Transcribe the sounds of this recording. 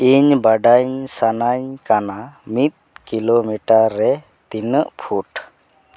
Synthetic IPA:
iɲbaɖaɲsanaɲkanamit̪̚kilomiʈaɾːɛ | t̪inəʔpʰuʈ

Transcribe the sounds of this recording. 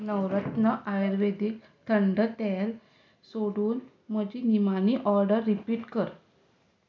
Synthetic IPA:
nəwɾət̪nəʔajɾʋed̪ik | t̪ʰəɳɖət̪ɛl | soɽuːn | m̤əd͡ʑinimaniʔɔɾɖəɾːipiːʈkəɾ

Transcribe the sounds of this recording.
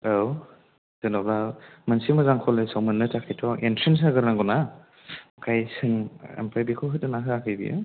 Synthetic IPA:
aw | z̥ɯnalamansimɯzaŋkʰɔlesawmɯnːɯtakʰajtʰɔʔentʰɾins̬aɡɯɾnaŋɡɔna | kʰajsɯŋḛmpʰajbikʰɔɦɯtɯnaɦɯakʰɯjbḭjɯ̰

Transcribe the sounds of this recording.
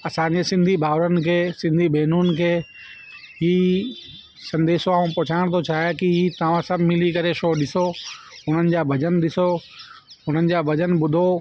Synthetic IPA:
ɐsãɲd͡ʑesɪ̃nd̪ʱibʱaːʋɾənkʰeːsɪ̃nd̪ʱibɛːnuːnkʰeː | ɦiː | sɐ̃nd̪eːsoaːũpʊt͡ɕʰaːɪɽ̃t̪ʰot͡ɕʰaːjkiɦiːt̪ɐʋ̤ãsɐbʱmɪlikɐɾeʃoːɗɪso | ʊn̤ənɪ̆d͡ʑaːbʱɐd͡ʑənɗ̪ɪso | ʊn̤ənɪ̆d͡ʑaːbɐd͡ʑənbʊd̪ʱo

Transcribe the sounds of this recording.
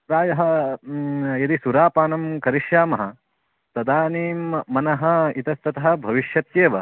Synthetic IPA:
pɾaːjɐɦɐ̆ | jɐd̪isuɾaːpaːnɐmkɐɾiʃjaːmɐɦɐ | t̪ɐd̪aːniːmːɐnɐɦɐit̪ɐst̪ɐt̪ɐɦɐ̆bʱɐʋiʃjɐt̪jeːʋɐ

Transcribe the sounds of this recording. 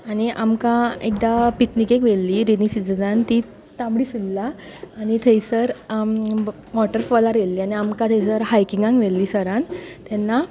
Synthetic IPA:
aɽ̃iʔamkãek̚d̪apit̪nikekʋelːiɾinisid͡zd͡zãnt̪i | t̪ãmɽiːsulːaːñit̪ʰəjsəɾ | ʋɔʈəɾfɔlaɾjelːiːañiamkãt̪ʰejsəɾhajkiŋɡãŋɡʋelːiːsəɾãnt̪ɛnːa

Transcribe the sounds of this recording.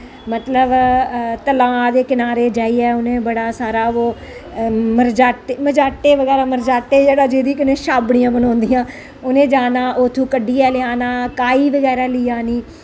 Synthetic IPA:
mət̪ləbt̪əlãːd̪eːkɪnaːɾeːd͡ʒaːiːɛːʊnẽːbəɽaːsaːɾaːoː | məɾd͡ʒaːʈeːməd͡ʒaːʈːeːʋəɡɛːɾaːməɾd͡ʒaːʈːeːd͡ʒeːɽaːd͡ʒeːd̪iːkɪnẽːʃaːbɳɪjãːbənɔ̃ːnd̪ijãː | ʊnẽːd͡ʒaːnaːʔoːt̪ʰːũːkəɖiːɛːlɪaːnaːkaːiːʋəɡɛːɾaːlɪjaːniː

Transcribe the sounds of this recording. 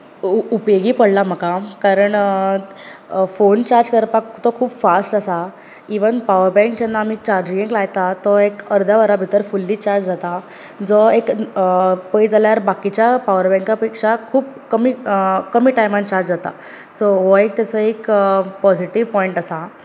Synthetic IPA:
upjoɡiːpəɽlam̤əkakaɾəɳ | font͡ɕaɾd͡ʑkəɾpakt̪ɔkʰuːbfasʈasa | iʋənpaʋəɾbɛ̃ŋkd͡ʑɛnːaːm̤iːt͡ɕaɾd͡ʑɡẽŋklajt̪at̪ɔekəɾd̪ʱjaʋəɾabʱit̪əɾfulːiːt͡ɕaɾd͡ʑd͡zat̪a | d͡zɔek | pəjd͡zaljaɾbakit͡ɕjapaʋəɾbɛ̃ŋkapekʂakʰuːpkəmiːkəmiːʈajmãnt͡ɕaɾd͡ʑd͡zat̪a̰ | soʋɔek̚t̪at͡səekpɔd͡ʑiʈiʋpɔiɳʈasa

